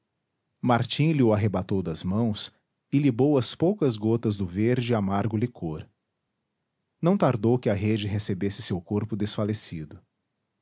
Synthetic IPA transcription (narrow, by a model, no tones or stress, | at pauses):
maɾt͡ʃĩlɪʊaɦebat̪owd̪ɐzmɐ̃w̃s | ɪlibowɐspowkɐzɡot̪ɐzd̪ʊveɾd͡ʒɪamaɾɡʊlɪkʰoɾ | nɐ̃w̃t̪aɾd̪owkɪɐɦed͡ʒɪɦesebesɪsewkoɾpʊd̪esfalesid̪ʊ